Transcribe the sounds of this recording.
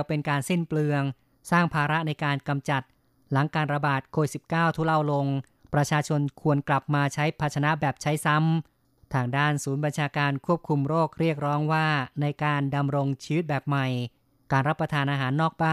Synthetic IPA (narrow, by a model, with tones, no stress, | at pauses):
wpe˧nkaː˧nsi˥˩nplɯ˧əŋ | saː˥˩ŋpʰaː˧ɾa˦˥ʔna˧jkaː˧nka˧mt͡ɕa˨˩t̪̚ | la˩˦ŋkaː˧nɾa˧baː˨˩t̪̚kʰoː˧i˩t̪si˨˩p̚kaː˥˩wt̪ʰuː˦˥˩la˥˩wlo˧ŋ | pɾa˧t͡ɕʰaː˧t͡ɕʰo˧nkʰu˧ənkla˨˩p̚maː˧t͡ɕʰa˦˥jpʰa˧t̪̚t͡ɕʰa˧na˦˥bɛː˨˩p̚t͡ɕʰa˦˥jsa˦˥m | t̪ʰaː˧ŋdaː˥˩nsuː˩˦nba˧nt͡ɕʰaː˧kaː˧nkʰu˥˩əp̚kʰu˧mɾoː˥˩k̚ɾi˥˩ək̚ɾɔː˦˥ŋwaː˥˩na˧jkaː˧nda˧mɾo˧ŋt͡ɕʰiː˧wi˦˥t̪̚bɛː˨˩p̚ma˨˩j | kaː˧nɾa˦˥pːɾa˧t̪ʰaː˧nʔaː˧ɦaː˩˦nːɔː˥˩k̚baː˥˩